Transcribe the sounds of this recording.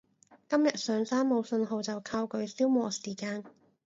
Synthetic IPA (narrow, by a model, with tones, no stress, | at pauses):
kɐ˥mjɐ˨t̚sœː˨˧ŋsaː˥nmo˨˧wsɵ˧nɦo˨˧wt͡sɐ˨wkʰaː˧wkɵ˨˧ɥsiː˥wmɔː˨˩siː˨˩kaː˧n